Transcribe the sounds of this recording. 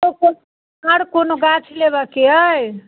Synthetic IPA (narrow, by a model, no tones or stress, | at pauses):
oko | aɽkonoɡat͡ʃʰileβəkeəj